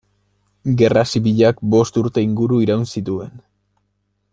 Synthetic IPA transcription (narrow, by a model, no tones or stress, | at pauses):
ɡe̞rasiβiʎakbo̞st̪uɾt̪e̞iŋɡuɾuiɾawnsit̪ue̞n